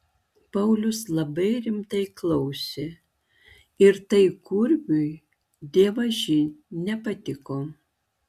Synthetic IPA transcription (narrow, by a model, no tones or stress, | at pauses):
pɐʊlʲʊslˠɐbɐɪɾʲɪmt̪ɐɪklˠɐʊsʲe | ɪɾt̪ɐɪkʊɾʲbʲʊɪ | d̪ʲeɛʋɐʒʲɪnʲɛpɐt̪ʲɪkoː